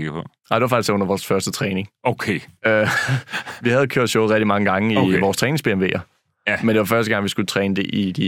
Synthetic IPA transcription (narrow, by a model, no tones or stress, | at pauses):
p | ɑɪde̝ʋɑ̈fɑɡ̥d̥isɔ̽n̰ɐʋɒːsfɶɐsd̥ət͡sʰʁɛːne̝ŋokʰeø | ʋihæð̞̩ˠkʰøɐ̰d̥ɕoʊðˠʁɛ̥d̥imɑ̈ŋəɡ̥ɑ̈ŋəiʋɒːst͡sʰʁɛːne̝ŋsb̥e̝ːemʋe̝̰ːɐ | mend̥e̝ʋɑ̈fɶɐsd̥əɡ̥ɑ̈ŋʋisɡ̥ut͡sʰʁɛːnəd̥e̝ʔid̥i